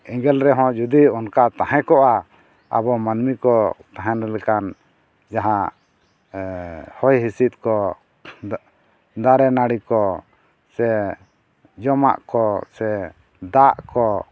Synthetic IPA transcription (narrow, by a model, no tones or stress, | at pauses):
ɛŋɡɛlɾɛɦɔ̃d͡ʒud̪iɔnkat̪ahɛ̃kɔʔa | a̰bɔmanmikɔt̪aɦɛ̃nɛlɛkan | d͡ʒaɦã | hɔjɦisit̪̚kɔ | d̪aɾɛnaɽikɔ | sɛ | d͡ʒɔma̰ʔkɔsɛ | d̪aʔkɔ